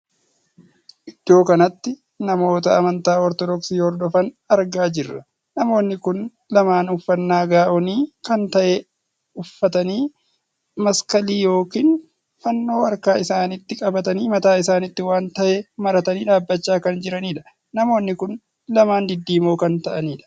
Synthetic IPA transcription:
ʔɪd̪̥ːo̞ːkɐnɐt̪ːɪ | nɐmo̞ːt̪ɐɐmɐnt̪aːɔɾt̪ɔd̪ɔksiːhɔɾd̪ɔfɐn | ɐɾɡaːd͡ʒɪrːɐ | nɐmo̞ːnːɪkʊn | lɐmaːnʊfːɐnːaːɡaːʔɔniːkɐnt̪ɐʔe | ʊfːɐt̪ɐniː | mɐskɐliːjo̞ːkiːn | fɐnːo̞ːwɐɾkaːɪsaːnɪt̪ːɪkʼɐbɐt̪ɐniːmɐt̪aːɪsaːnɪt̪ːɪwaːnt̪ɐʔemɐɾɐt̪ɐniːᶑaːbːɐt͡ʃːaːkɐnd͡ʒɪɾɐniːᶑɐ̥ | nɐmo̞ːnːɪkʊn | lɐmaːnd̪ɪd̪ːiːmoːkɐnt̪ɐʔɐniːᶑɐ̥

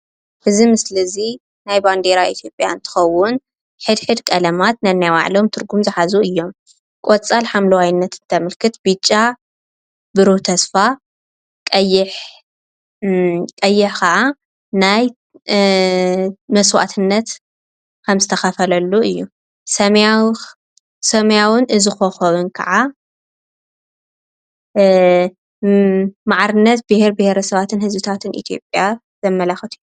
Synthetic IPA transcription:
ʔɨzimɨslɐzi | najband̪eɾaʔḭt̪ʰjo̞pʼja̰nt̪ʰɨ̥xɐwːʊn | ħɨd̪ħɨd̪kʼɐlɐmat̪nanːajwa̰ʕlo̞mt̪ʰɨɾɡumzɨħazuɨjːo̞m | kʼot͡sʼalħamlɐwajnːɐt̪nt̪ʰɐmɨlkʰɨt̪b̥ɨt͡ʃʼːa | bɨɾot̪ʰɐsfa | kʼɐjɪħ | kʼɐjːɪħkʰɐʕa | naj | mɐswa̰t̪ʰɨnːɐt̪ | kʰɐmzɨt̪ʰɐxɐfɐlɐlːuɨjːu | sɐm | sɐmjawʊnʔɨzɨxoxoβɨnkʰɐ̰ʕa | maʕaɾɨnːɐt̪̚bɨheɾbɨheɾɐsɐβat̪ʰɨnhɨzbɨt̪ʰat̪ʰɨnḭt̪ʰijo̞pʼja | zɐmːɐlaxɨt̪ʰɨjːu

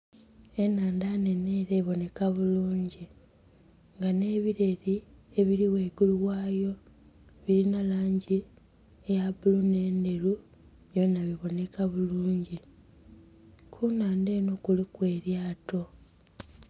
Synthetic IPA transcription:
e̞naːndaneneɾeːβo̞ne̞kaβuluːɲɟi | ŋɡane̞ːβiɾe̞ɾieβiɾiwe̞ːɡuluwaːjo̞ | βiɾinalaːɲɟi | ejabulune̞ːnde̞ɾu | βjonaβiβo̞ne̞kaβuluːɲɟi | kʰunaːnde̞ːno̞kulikwe̞ːɾjaːto̞

